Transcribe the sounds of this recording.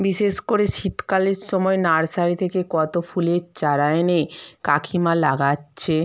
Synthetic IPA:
biʃeʃkoɾeʃit̪kaleɾʃɔmɔenaɾsaɾit̪ʰekekɔt̪ofʰuleɾt͡ɕaɾaenekakʰimalaɡatːɕʰe

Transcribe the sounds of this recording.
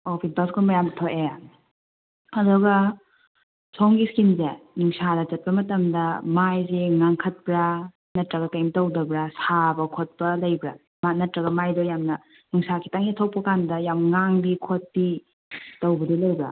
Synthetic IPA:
opʰisbɐskonbɐjamtʰoʔea | ɐdɔɡɐ | sʰoŋɡiskinzenuŋsadɐt͡ʃɐt̚pɐmɐtɐmdɐmajzeŋaŋkʰɐt̚pɾa | nɐtɾɐɡɐtajmtɐwdɐbɾasabɐkʰot̚pɐlɐjbɾa̰ | manɐtɾɐɡɐmajdojamnɐ | nuŋsakʰi̥taŋiɐtʰɐwpɐkandɐjamŋaŋbikʰot̚ːi | tɐwbɐdilɐjbɾa̰

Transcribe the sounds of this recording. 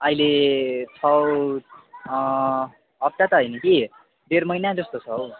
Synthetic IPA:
ʌilet͡sʰʌw | ʌp̚t̪at̪ʌɦʌjnʌki | ɖ̪eɾmʌjnad͡zʌst̪ot͡sʰʌw

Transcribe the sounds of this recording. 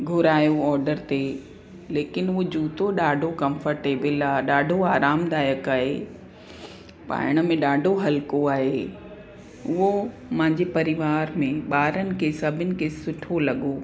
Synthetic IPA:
ɡʱʊɾaːjoɔːɾɖəɾt̪e | leːkɪnʊɦod͡ʑuːt̪oɗaːɖʱokɐ̃mfəɾʈeːbɪlaːɗaːɖʱoaːɾaːmd̪aːjəkaːɦeː | pa̰ːɪɽ̃əmẽɗaːɖʱoɦɐlkoaːɦeː | ʊɦo | mɐ̃ɦɪ̃ɲd͡ʑepɐɾɪʋaːɾmẽɓaːɾənɪ̆kʰesɐbʱɪnɪ̆kʰesʊʈʰolɐɠo

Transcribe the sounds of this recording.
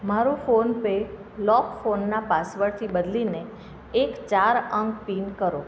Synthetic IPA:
maɾufonpe | lɔkfonːapasʋəɭt̪ʰibəd̪lineː | kt͡ʃaɾəŋɡpinkəɾo

